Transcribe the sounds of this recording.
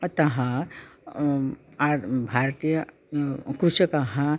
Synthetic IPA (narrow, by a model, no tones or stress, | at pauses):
ɐt̪ɐɦã | abʱaɾt̪ijə | kɾuʃɐkɐɦã